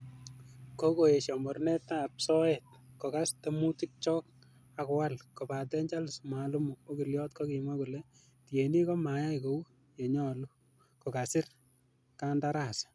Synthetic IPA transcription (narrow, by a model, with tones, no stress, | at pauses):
ko˦ko˨je˨ʃa˨mɔ˨rnɛ˦tːa˦˨p̚sɔ˦et̚kɔ˨ka˦ste˦mu˦ti˦k̚t͡ʃɔː˦k̚ | a˨kwa˦lko˨pa˨tɛ˦ɲd͡ʒa˦lsma˨lu˦mu˨o˦ki˨ljɔː˦t̚kɔ˦ki˨mwa˦ku˨le˨ | ti˨e˨ni˦kɔ˦ma˨ja˦iko˨u˦ | je˨ɲɔː˦lu˦ | ko˨ka˨sɪ˦r | kanda˦ɾa˦˨s